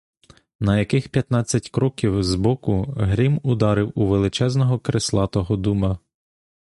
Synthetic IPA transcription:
nɐjɐkɪxpʲjɐt̪nɑt͡sʲːɐtʲkɾɔkʲiwzbɔkʊɦɾʲimʊd̪ɑɾɪwuʋelˠɪt͡ʃɛznɔɦɔkɾeslˠɑt̪ɔɦɔd̪umɐ

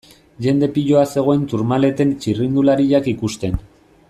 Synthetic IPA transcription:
ʝe̞nd̪e̞piʎo̞ase̞ɣ̞o̞ent̪uɾmale̞t̪e̞nt͡ʃirind̪ulaɾiʎakikust̪e̞n

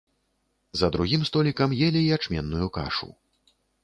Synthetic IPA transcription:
zɐd̪ɾuɣʲimst̪ɔlʲikɐmjɛlʲiːat͡ʂmʲɛnːujuka̰ʂṵ

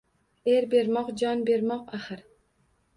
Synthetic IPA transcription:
eɾbe̞ɾmɒqd͡ʒɒnbe̞ɾmɒqaχɨɾ

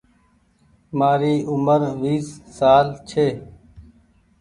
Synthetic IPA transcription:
maːɾiːʔʊməɾʋiːsːaːlt͡ʃʰeː

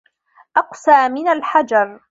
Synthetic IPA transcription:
ʔɑqsaːmɪnalħad͡ʒɑɾˤ

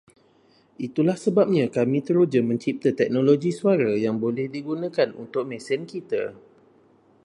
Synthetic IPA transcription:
ʔit̪ulahsəbap̚ɲãkamĩt̪əɾud͡ʒəmə̃ɲt͡ʃip̚t̪at̪ɛk̚nõloɡisuaɾajaŋbolɛhdiɡunãkanṵnt̪ʊk̚mɛ̃sɛnkit̪a̰

